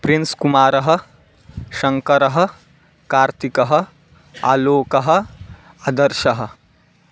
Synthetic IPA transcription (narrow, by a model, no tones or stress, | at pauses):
pɾinskumaːɾɐɦɐ̆ | ʃɐŋkɐɾɐɦɐ̆ | kaːɾt̪ikɐɦɐ̆ | a̰ːloːkɐɦɐ̆ | ad̪ɐɾʃɐɦɐ̆